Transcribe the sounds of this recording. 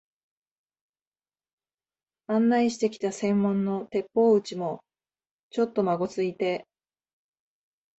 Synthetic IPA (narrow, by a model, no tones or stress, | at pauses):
ãnːaiɕi̥t̪e̞kʲi̥t̪asẽ̞mːõ̞nːo̞t̪e̞pːo̞ːɯ̟t͡ɕimo̞ | t͡ɕo̞t̪ːo̞maɡo̞t͡sɨit̪e̞